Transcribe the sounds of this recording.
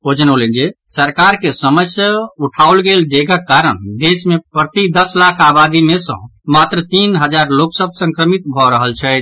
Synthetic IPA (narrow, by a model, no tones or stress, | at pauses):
od͡ʒənolend͡ʒesəɾkaɾkesəməsjauʈʰaulɡeld̪eɡʱəkːaɾənd̪esmepɾət̪id̪əslakʰabad̪imesə̰̃mat̪ɾət̪inɦəd͡ʒaɾloksəb̚ʱsə̃ŋkɾəmit̪bʱɔɾəɦəlt͡ʃʰɛt͡ʃ